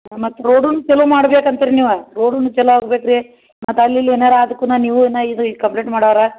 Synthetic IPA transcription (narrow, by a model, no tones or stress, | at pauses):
mɐt̪ːuɾoːɖunːut͡ʃɛlumaːɽɐbeːkɐnt̪iɾiniːʋɐɾoːɽunːut͡ʃɛluaːɡbeːkɾi | mɐt̪ːɐlːilːieːnaːɾaːd̪ɐkːunaːniːʋuenːɐid̪ukɐmpleːʈmaːɽoːʋɾɐ